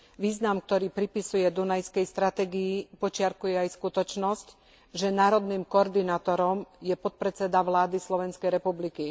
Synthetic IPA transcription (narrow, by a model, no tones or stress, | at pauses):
ʋiːznamk̚t̪ɔɾiːpɾipisujɛd̪unajskɛjst̪ɾat̪ɛːɡiːpɔt͡ʃɪaɾkujɛajskut̪ɔt͡ʃnɔsc | ʒɛnaːɾɔd̪niːmkɔɔɾd̪inaːt̪ɔɾɔmjɛpɔt̪̚pɾɛt͡sɛd̪aʋlaːd̪islɔʋɛnskɛjɾɛpubliki